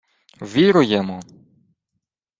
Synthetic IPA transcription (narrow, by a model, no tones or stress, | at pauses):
ʋʲiɾʊjɛmɔ